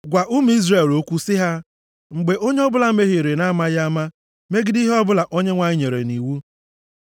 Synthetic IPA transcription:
ɡʷa˨ʔu˦m̩˨˦i˦zre˦˨lo˦kʷu˦sɪ˦ɦa˦ | ŋ͡m̩˨ɡ͡be˨ʔo˦ɲe˦ɔ˦bʊ˦la˦me˦ɦe˨ɾe˨na˦ma˦ja˦ma˦ | me˦ɡɪ˦di˦ɦɔ˦bʊ˦la˨ʔo˦ɲe˦ŋʷa˨ɲɪ˦ɲe˨ɾḛ˨ni˨wu˦

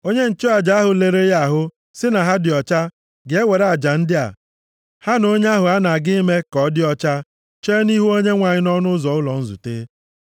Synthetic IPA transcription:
o˦ɲe˦n̩˨t͡ʃo˦a˨d͡ʒa˨a˦ɦʊ˨le˨ɾe˦ja˦˨ɦʊ˦ | sɪ˦na˨ɦa˦dɪ˨ɔ˨t͡ʃa˦ | ɡe˦we˨ɾa˨d͡ʒa˨n̩˦dɪ˦a̰˨ | ha˦no˦ɲe˦a˦ɦʊ˨a˦na˨ɡɪ˦me˦kɔ˨˦dɪ˦ɔ˦t͡ʃa˦ | t͡ʃe˦ni˦ɦu˦o˦ɲe˦ŋʷa˨ɲɪ˦nɔ˦nʊ˦zɔ˨ʊ˦lɔ˨n̩˦zṵ˨teː˦

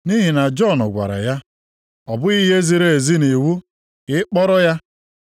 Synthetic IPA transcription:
ni˦ɦi˨na˨d͡ʒɔ˦˨nʊ˨ɡʷa̰˨ɾa̰˨ja˦ | ɔ˨bʊ˦i˦ɦe˦zi˨ɾe˨e˨zi˦ne˨wu˦ | ɪ˦k͡pɔ˦ɾɔ˦ja˦

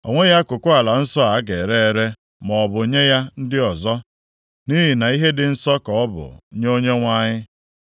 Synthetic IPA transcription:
ɔ̰˨ŋʷe˦ja˦kʊ˨kʊ˦a˨la˨n̩˦sɔ˦a˨˦ɡe˨ɾe˦e˨ɾe˦ | mɔ˨bʊ˨˦ɲe˦ja˦n̩˦dɪ˦ɔ˨zɔ˦ | ni˦ɦi˨na˨i˦ɦe˦dɪ˨n̩˦sɔ˦kɔ˨ɔ˦bʊ̰˨ɲ˦o˦ɲe˦ŋʷa˦ɲɪ˦

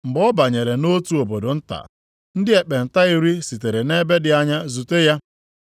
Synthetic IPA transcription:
m̩˨bɔ˦ba˨ɲe˨ɾe˨no˦tu˦o˨bo˨do˨n̩˦ta̰˨ | n̩˦dɪ˦e˨k͡pe˨n̩˨ta˦i˦ɾi˦si˨te˨ɾe˨ne˦be˦dɪ˨a˦ɲa˦zu˨te˦ja˦

